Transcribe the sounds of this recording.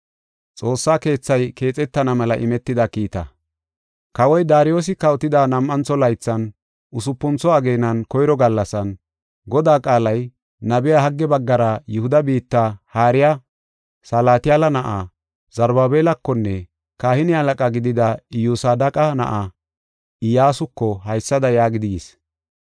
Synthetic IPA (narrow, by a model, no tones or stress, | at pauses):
t͡sʼo̞ːsːaːke̞ːt͡sːɐjke̞ːt͡sʼɛt̪ːɐnɐmɐlɐʔɪmɛt̪ːɪd̪ɐkiːt̪ɐ̰ | kɐwɔjd̪aːɾɪjo̞ːs̬ɪkɐɔt̪ɪd̪anɐmːɐnt͡sːɔlɐjt͡sːɐn | ʊsʊpːʊnt͡sɔɐɡe̞ːnɐnkɔjɾɔɡɐlːɐsɐn | ɡɔd̪aːkʼaːlɐj | nɐbɪjahɐɡːɛbɐɡːɐɾɐjʊhʊd̪ɐbiːt̪ːahaːɾɪja | sɐlaːt̪ɪjalɐnɐʔa | z̥ɐɾbaːbeːlɐkːɔnːɛ | kaːhɪnɪɐlɐkʼaɡɪd̪ɪd̪ɐɪjuːsaːd̪ɐkʼɐnɐ̰ʔa | ɪjaːsʊkːɔhɐjsːɐd̪ɐjaːɡɪd̪ɪɡɪs